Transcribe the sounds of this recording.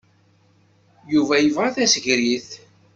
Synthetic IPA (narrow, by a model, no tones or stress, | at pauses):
juvæjəvʁaθæsəʝɾiθ